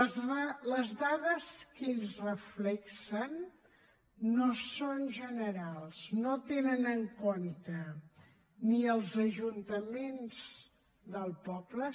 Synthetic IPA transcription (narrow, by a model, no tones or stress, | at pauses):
ləzðaðəskeʎzrəflɛksən | osonʒənəɾalˠznot̪enənəŋkont̪ə | niəlˠzəʒunt̪əmenz̥ | d̪əlˠpɔblə